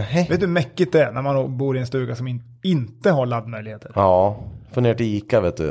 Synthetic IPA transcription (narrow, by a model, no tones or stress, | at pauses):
veːt̪d̪mɛkːɪt̪̚d̪ɛæɾnæɾmanːoːbuːɾɪɛnst̪ʉ̟ːɡasɔmɪ | ɪnt̪əɦaɭad̪ːmœjlɪɡheːt̪ʰəɾɑːfɵnd̪eːʈɪiːkaveːt̪̚d̪ɵ̰